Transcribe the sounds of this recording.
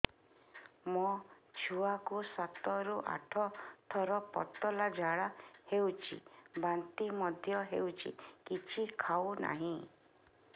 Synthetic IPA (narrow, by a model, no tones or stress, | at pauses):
mɔt͡ʃʰuakusat̪ɔɾuʔa̰ʈʰɔt̪ʰɔɾɔpɔ̰t̪ːɔlad͡ʒʱaɭahewt͡ʃʰḭbant̪imɔd̪ʱjɔɦewt͡ʃʰḭkit͡ʃʰikʰawna̰ɦĩ